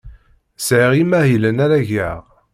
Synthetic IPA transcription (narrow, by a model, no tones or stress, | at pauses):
sʕiʁimæhilənæɾæʝæʁ